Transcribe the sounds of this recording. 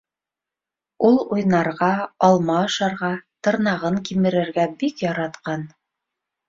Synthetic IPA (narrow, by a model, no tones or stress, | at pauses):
ulˠujnɑɾʁɑɑlˠmɑɤ̆ʃɑɾʁɑt̪ɤ̆ɾnɑʁɤŋkimɘ̆ɾɘ̆ɾɡæbikjɑɾɑt̪qɑn